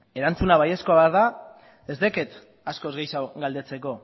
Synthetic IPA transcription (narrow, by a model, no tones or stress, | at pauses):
e̞ɾant͡sunaβajeskoaβɾða | ðe̞zðe̞ke̞t̪ | asko̞zɣejsawɡald̪e̞t͡se̞ko̞